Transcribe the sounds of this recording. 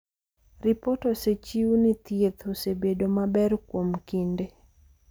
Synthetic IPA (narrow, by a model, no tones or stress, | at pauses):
rɪpɔtɔset͡ʃiunit̪jet̪osebedomabɛrkwomkinde